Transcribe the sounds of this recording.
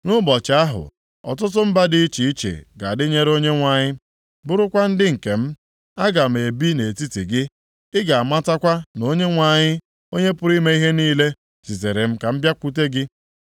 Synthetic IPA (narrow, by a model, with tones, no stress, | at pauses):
nʊ˦bɔ˨t͡ʃa˦ɦʊ̰˨ | ɔ̰˨t̬ʊ˦t̬ʊ˦m̩˦ba˦dɪ˦i˦t͡ʃi˨i˦t͡ʃḛ˨ɡa˨a˨dɪ˦ɲe˦ɾo˦ɲe˦ŋʷa˨ɲɪ˦ | bʊ˦ɾʊ˦kʷa˦n̩˦dɪ˦ŋ̩˨ke˨m̩˦ | a˦ɡa˨m̩˨e˨bi˦ne˨ti˦ti˨ɡɪ˦ | ɪ˦ɡa˨a˨ma˦ta˦kʷa˦no˦ɲe˦ŋʷa˨ɲɪ˦ | o˦ɲe˦pʊ˦ɾi˦me˦i˦ɦe˦niː˦le˦ | si˨ze˨ɾe˨m̩˦ka˨m̩˦bja˦kʷu˦te˦ɡɪ˦